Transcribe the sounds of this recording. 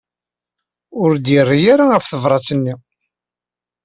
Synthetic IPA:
ʊɾd̪ɪrːijaɾaæfθəvɾˤɑt͡sənːi

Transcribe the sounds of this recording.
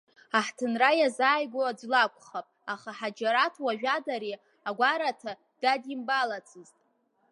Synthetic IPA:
aħtʰɨnrajazaːjɡʷoad͡zlakʷʰʼχapʼaχaħad͡ʒaɾatʰwaʒᶣadaɾi | aɡʷaɾatʰa | d̥adimbalat͡sʰɨztʼ

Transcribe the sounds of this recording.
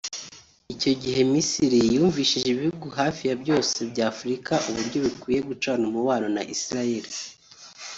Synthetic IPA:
ico̞ɟiɦe̞misiɾijuːɱviːʃiʒeβihuɡuɦaːfijabɟo̞ːse̞bɟaːfuɾikaʔuβuɾɟo̞βikwiːje̞ɡut͡ʃaːnumuwaːɾonaʔisiɾaje̞ɾi

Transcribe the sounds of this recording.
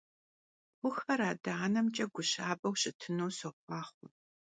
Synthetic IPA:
χʷʊxɐɾaːdɐanɐmt͡ʃʼɐɡʷʊɕaːbɐwɕɪtʰɨnowsofʷɑːχʷʊ

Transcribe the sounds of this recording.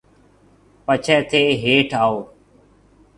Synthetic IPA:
pət͡ʃʰɛːt̪ʰeːɦeːʈʰaːoː

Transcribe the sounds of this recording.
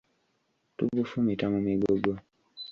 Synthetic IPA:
tubufumitamumiɡoɡwa

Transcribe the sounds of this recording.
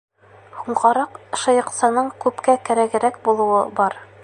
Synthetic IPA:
huɴʁɑɾɑqʃɤ̆jɤ̆qsɑnɤɴkʉpkækæɾæɡɘ̆ɾækbulˠɤ̆wɤbɒɾ

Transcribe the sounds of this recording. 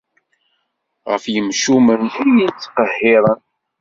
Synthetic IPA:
ʁə̰fjəmʃumənijit͡sːqəhːɪðˤən

